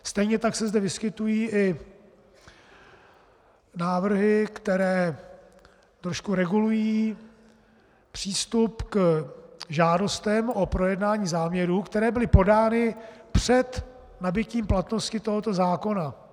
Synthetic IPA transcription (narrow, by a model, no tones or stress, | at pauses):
st̪ɛjɲɛt̪aksɛzdɛvɪskɪt̪ujiːʔɪ | naːvr̩ɦɪkt̪ɛɾɛː | t̪ɾo̞ʃkuɾɛɡulujiː | pr̝̥iːst̪upk | ʒaːdo̞st̪ɛmʔopɾo̞jɛdnaːɲiːzaːmɲɛɾuːkt̪ɛɾɛːbɪlɪpo̞daːnɪpr̝̥ɛt̪ | nabɪciːmplat̪no̞scɪt̪o̞ɦo̞t̪o̞zaːko̞na